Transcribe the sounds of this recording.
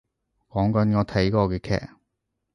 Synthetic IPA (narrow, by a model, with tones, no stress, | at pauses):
kɔː˨˥ŋkɐ˨˥nkɔː˨˧t̪ʰɐ˨˥jkɔː˧kɛː˧kʰɛ̰ː˨˩k̚